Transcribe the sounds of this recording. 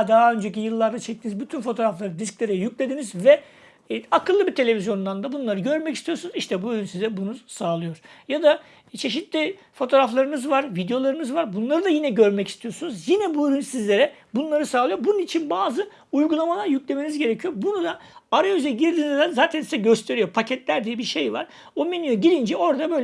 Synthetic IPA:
d̪aɦaø̞nd͡ʒec̬ijɯlˠːaɾd̪at͡ʃʰɛc̚t̪ʰinizbyt̪ʰynfo̞t̪ʰo̞ɾaflˠaɾɯd̪isklʲe̞ɾɛjycʲlʲe̞d̪inizvɛ | akʰɯlˠːɯbiɾt̪ʰe̞lʲe̞vizjo̞nd̪and̪abunlˠaɾɯɟø̞ɾmɛcist̪ijo̞ɾsunuziʃt̪ʰɛbuøɾynsizɛbunuz̥saːlˠɯjo̞ɾ̥jad̪a | t͡ʃʰe̞ʃ̬it̪lʲi | fo̞t̪ʰo̞ɾaflˠaɾɯnɯzvaɾvid̪ejo̞lˠaɾɯnɯzvaɾbunlˠaɾɯd̪ajinɛɟø̞ɾmɛci̥st̪ʰijo̞ɾsunuzjinɛbuøɾynsizlʲe̞ɾɛ | bunlˠaɾɯsaːlˠɯjoɾbununit͡ʃʰinbaːzɯ | ujɡulˠamalˠaɾjyclʲe̞me̞nizɟe̞ɾecʰijo̞ɾbunud̪aaɾayzɛɟiɾd̪iːnizd̪ɛnzaːt̪ʰænsizɛɟøst̪ʰe̞ɾijo̞pʰacʰɛt̪lʲæɾd̪ijɛbiɾʃe̞jvaɾ̥ | o̞menyjoɟilʲind͡ʒɛo̞ɾd̪abøjl

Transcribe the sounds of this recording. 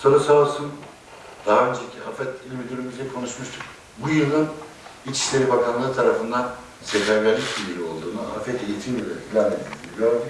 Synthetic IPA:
so̞ɾusaːlˠsun | d̪̥aɦaø̞nd͡ʒecʰiafɛt̪ilʲmid̪yɾymyzlʲɛkʰo̞nuʃmuʃt̪ʰu̥k | bujɯlˠɯn | it͡ʃʰi̥ʃlʲe̞ɾibakʰanlˠaɾɯt̪ʰaɾafɯnd̪an | sɛlæɾɟæɾlʲicbiiɾʲio̞lˠd̪uːnua̰fɛt̪ejit̪ʰinɟøzec̪ʲʰilʲænmeizʲiibioɾd̪i

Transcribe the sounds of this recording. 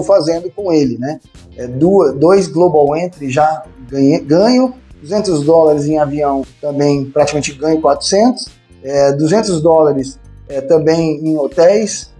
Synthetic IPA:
fazẽnd̪ʊkõelɪnɛ | ɛd̪uɐsd̪ojzɡlobawẽnt̪ɾɪʒaɡɐ̃ɡɐ̃ɲʊd̪uzẽnt̪ʊzd̪ɔlaɾɪzẽj̃aviɐ̃w̃t̪ɐ̃mbẽj̃pɾat͡ʃikɐmẽt͡ʃɪɡɐ̃ɲʊkwat̪ɾʊ̥sẽnt̪ʊ̥s | ɛd̪uzẽnt̪ʊzd̪ɔlaɾɪsɛt̪ɐ̃bẽj̃ẽj̃ot̪ɛjs

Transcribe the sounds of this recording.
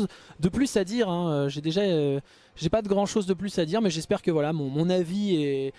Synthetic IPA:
zd̪əplysad̪iːʁɛ̃øʒed̪eʒaø | ʒepad̪əɡʁɑ̃ʃozd̪əplysad̪iʁmɛʒɛspɛʁkəvwalamɔ̃mɔ̃navie

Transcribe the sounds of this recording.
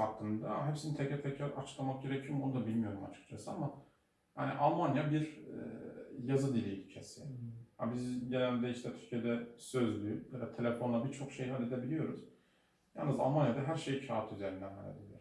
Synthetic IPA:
hakʰːɯnd̪aɦepsinit̪ʰɛcɛt̪ʰɛcʰaɾat͡ʃʰɯ̥klˠamak̚ɟe̞ɾecʰijomonud̪abilʲmijo̞ɾuma̰t͡ʃʰɯ̥kt͡ʃʰasɯama | ha̰nḭʔalˠmanjabiɾ | jazɯd̪ilʲicʰi̥t͡ʃʰesiha̰bizɟelʲænd̪ɛiʃt̪ʰɛt̪ʰyɾcʰijed̪ɛsø̞zlʲyjɛd̪ɛt̪ʰe̞lʲefo̞nlˠabit͡ʃʰo̞kʃejɦalʲːe̞d̪ebilʲijo̞ɾṵz̥ | jalnːɯza̰lˠmanjad̪aɦæɾʃejicʰaːt̪ʰyzeɾind̪ænɦa̰lʲːed̪elʲiɾ

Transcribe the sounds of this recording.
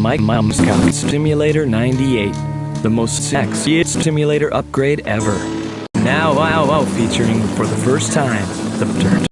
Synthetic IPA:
maɪmamz̥kʰakstɪ̃mjɨleɪɾə˞nãɪ̃ntieɪt̪̚ | ðəmoʊsttsɛksiɨtstɪ̃mjɨleɪɾə˞ʔʌp̚ɡ̥ɹeɪɾɛvə˞ | naʊaalˠfit͡ʃə˞ɪ̃ŋfə˞ðɨfɜ˞stʰãɪ̃mðɨptʰɜ̃˞

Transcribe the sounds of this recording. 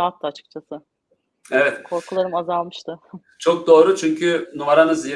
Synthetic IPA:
at̪ːaːt͡ʃʰɯ̥k̚t͡ʃʰasɯ | evɛt̪kʰo̞ɾkʰulˠaɾɯmazalˠmɯʃt̪ʰɯ | t͡ʃʰo̞k̚d̪o̞ːɾut͡ʃʰyɲcʰynumaɾanɯzi

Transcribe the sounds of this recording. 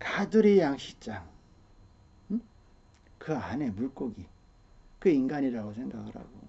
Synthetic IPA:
kaduɾijaŋɕʰi̥t͡ɕ͈aŋ | kɯane̞muɭk͈oɡi | kɯinɡaɲiɾaɡosʰe̞ŋɡa̰ɡɯɾha̰ɡo̰

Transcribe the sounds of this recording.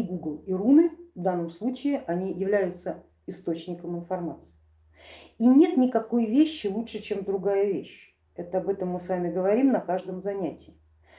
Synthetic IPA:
iɡuɡlˠirunɨvd̪anːəmslˠut͡ɕɪɪʔɐnʲijɪvlʲæjʊt̪sə | ɪst̪o̞t͡ɕnʲɪkəmɨnfɐrmat̪sɨ̥ɪ | inʲe̞t̪nʲɪkɐko̞jvʲeɕːɪlˠut̪ʂɨt͡ɕe̞md̪ɾʊɡajəvʲeɕ | ɛt̪əɐbɛt̪əmːɨsvamʲɪɡəvɐɾʲimnəkaʐd̪əmzɐnʲætʲɪɪ

